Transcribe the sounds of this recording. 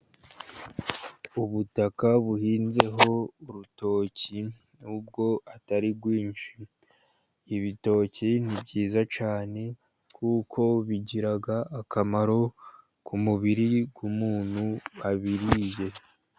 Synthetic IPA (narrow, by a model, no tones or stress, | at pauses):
uβutakaβuhiːnze̞ɦo̞uɾuto̞ːci | nub̚ɡo̞ataɾiɡwiːnʃiː | βito̞ːcin̥ibɟiːzat͡ʃaːne̞ | kʰukʰo̞βiɟiɾaɡaːkamaɾo̞ | kʰumuβiɾiɡumuːn̥huaβiɾije̞